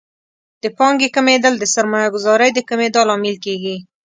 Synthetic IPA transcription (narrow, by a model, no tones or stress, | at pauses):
d̪̥əpɑŋɡekəmed̪ald̪əsaɾmɑjaɡʊzɑɾəjd̪əkəmed̪alɑmɪlkeɡi